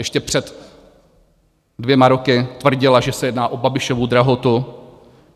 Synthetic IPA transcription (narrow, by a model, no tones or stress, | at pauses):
jɛʃcɛpr̝̥ɛt̪ | dvjɛmaɾo̞kɪt̪vr̩ɟɪlaʒɛsɛjɛdnaːʔobabɪʃovud̪ɾaɦot̪u